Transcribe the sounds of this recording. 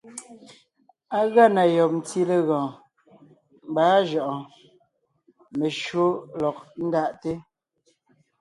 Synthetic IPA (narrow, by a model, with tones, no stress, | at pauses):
a˦ɣa˦˨na˨jɔ˨p̚n̩˨ti˦le˦ɣɔ̃ː˨ | m˦baː˨˦ʒɔ˨ʔɔ̃˨ | me˨ʃo˦lɔ˨k̚n̩˦da˦ʔte˦